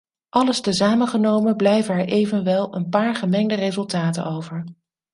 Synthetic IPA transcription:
ʔɑləstəzaːməχənowmənblɛjvənɛɹʔejvənʋɛlˠənpaːɹχəmɛŋdərezɵlˠtaːtə̰nowvəɹ

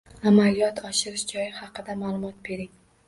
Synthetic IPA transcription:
amalijɒt̪ʰɒʃɪɾɪʃd͡ʒɒjɪhɑqʰɨd̪amaːlˠʊmɒt̪̚be̞ɾɪŋ

